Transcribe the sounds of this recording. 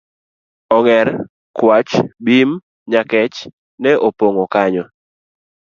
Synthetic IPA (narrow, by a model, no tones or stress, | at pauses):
ɔŋɛɾ | kwat͡ʃbim | ɲakɛt͡ʃ | nɛʔopoŋɔkaɲɔ